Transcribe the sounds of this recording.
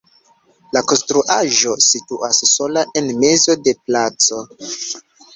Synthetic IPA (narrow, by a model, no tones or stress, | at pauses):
lako̞nstɾuʔaʒo̞situʔasːo̞laʔe̞nme̞zo̞de̞plat͡so̞